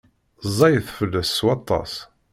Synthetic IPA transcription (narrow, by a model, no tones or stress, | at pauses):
zˤɑjəθfəlːæsːwɑt̪ˤːɑ̰s